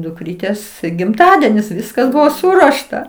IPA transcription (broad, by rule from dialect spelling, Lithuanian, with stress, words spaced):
dʊkˈrʲiːtʲeːs ɡʲɪmˈtɑːdʲiɛnʲɪs ˈʋʲɪskɐs ˈbʊʋoː ˈsʊruɔʃtɐ